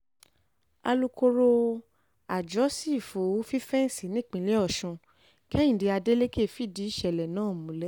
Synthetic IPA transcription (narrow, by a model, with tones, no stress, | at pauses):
a̰˧lu˧ko˧ɾo˧ | a˨d͡ʒɔ˨˦si˦˨fo˨˦fi˦fɛ˦n̩˦˨si˨˦nĩ˦˨k͡pĩ˨˧˦lɛ˦ɔ˦˨ʃũ˧ | kɛ̃˦ĩ˦˨di˨˧a˧de˦le˦ke˦˨fi˦˨di˨˦i˦˨ʃɛ˨lɛ˨nãː˨˦˨mũ˨˦lɛ˦